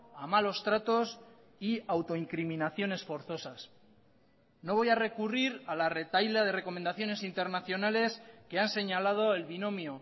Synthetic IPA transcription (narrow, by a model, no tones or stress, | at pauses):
amalo̞st̪ɾat̪o̞s | iawt̪o̞iŋkɾiminaθjo̞ne̞sfo̞ɾθo̞sas | no̞β̞o̞jare̞kuriɾalare̞t̪ajlaðe̞re̞ko̞mẽ̞nd̪aθjone̞sint̪e̞ɾnaθjo̞nale̞ske̞anse̞ɲalað̞o̞elβino̞mjo